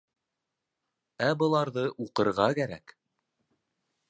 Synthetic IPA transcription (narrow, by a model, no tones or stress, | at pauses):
æbɤ̆lˠɑɾðɤʔuqɤ̆ɾʁɑkæɾæ̰k